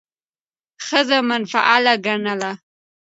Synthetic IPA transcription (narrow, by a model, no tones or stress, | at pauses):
xəzamanfa̰ʔalaɡaɳala